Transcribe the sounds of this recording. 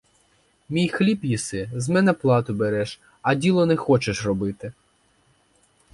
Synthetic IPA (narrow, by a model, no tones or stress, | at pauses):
mʲijxlʲipjisɪzmɛnɛplˠɑt̪ʊbeɾɛʃ | ɐdʲilˠɔnɛxɔt͡ʃeʃrɔbɪt̪ɪ